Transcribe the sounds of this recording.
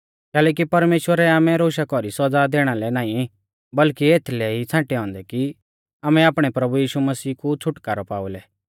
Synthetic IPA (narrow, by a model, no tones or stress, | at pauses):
kɛːlɛːk̬ipɐɾmeːʃwəɾɛaːmɛ̃ɾoːʃakɔɾisɐd͡zad̪eːɽ̃alɛnaːĩ | bɐlkieːt̪ʰlɛit͡sʰãːʈɛɦɔ̃ːnd̪ɛki | aːmɛ̃aːpɽ̃ɛpɾɐbujiːʃumɐsiːkut͡sʰʊʈkaɾɔpa̰ːulɛ